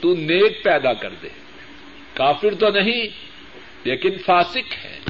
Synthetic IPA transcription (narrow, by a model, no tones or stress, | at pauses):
t̪uneːk̚pɛːd̪akɐ̰ɾd̪ḛː | kaːfɪɾt̪onɐɦĩ | leːkɪnfaːsɪkhɛ̰̃ː